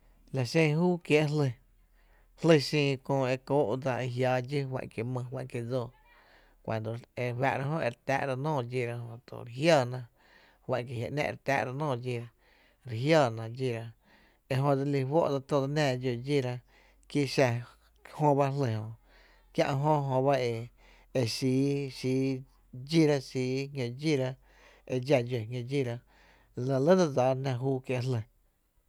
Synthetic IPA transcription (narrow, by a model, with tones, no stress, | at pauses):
la˨ʃẽ˧˨ɦuː˦kje˦ʔɦlə˧ | hlə˧sĩː˧kõː˧e˧koː˦ʔd͡za˧e˧ɦjaː˨˦d͡ʒi˦wa̰˧˨ʔke˨mə̃˧ɦwã˧˨ʔke˧d͡zoː˧˨ | kʷã̰˨nd̪o˨e˧wa̰˧ʔɾa˦ɦõ˦ʔḛ˧ɾt̪a̰ː˦ʔɾa˧nɔ̃ː˦˨d͡ʒi˧˨ɾa˧ɦõ˧˨t̪o̰˨ɾe˧ɦjaː˧˨nã˧ | hwa˧˨ʔk̬e˧˨ja̰˨ʔnɛ̰̃˧˨ɾt̪a̰ː˦ʔɾa˧nɔ̃ː˦˧˨d͡ʒi˧ɾa˧ | ɾe˨ɦjaː˧˨nã˧d͡ʒi˧ɾa˧ | e˧ɦõ˧d͡za˧li˧ɦwo̰˦ʔd͡za˧t̪o˧d̪a˧nãː˧˨˧d͡ʒo˧˨d͡ʒi˦˨ɾa˧ | ki˦ʃa˧ | hõ˧ba˦ɦle˧˨hõ˧˨ | kjã̰˦˧ʔɦõ˦ɦõ˧ba˦e˧ | e˧siː˨˦ʃiː˨˦ | d͡ʒi˦ɾa˦siː˨˦hjõ˧d͡ʒi˦ɾa˧ | e˧d͡ʒa˧d͡ʒo˨ŋjõ˧d͡ʒi˦˧ɾa˧˨ | lə̃˧˨lə˦d̪a˧d͡za˨˦nã˧ɦuː˦kje˧ʔɦlə˨